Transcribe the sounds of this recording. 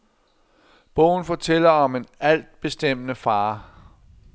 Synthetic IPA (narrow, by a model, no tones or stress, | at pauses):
b̥ɔ̽ʊ̰n̩fɒ̽t͡sʰel̰ɐɒ̽me̝næl̰d̥̚b̥e̝sd̥em̰nəfɑ̈ː